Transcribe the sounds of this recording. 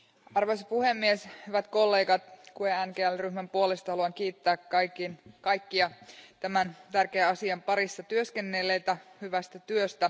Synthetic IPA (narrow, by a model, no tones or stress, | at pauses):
ɑrʋojsɑpuhemːieshyʋæt̪ko̞lːe̞ːɡɑt̪kueænkeːælryhmæmpuolest̪ɑhɑluɑŋk̟iːt̪ːæːkːɑjkinkɑjkːiɑt̪æmænt̪ærkeːɑsiɑmpɑɾisːɑt̪yøske̞nːelːeːt̪æhyʋæst̪æt̪yøst̪æ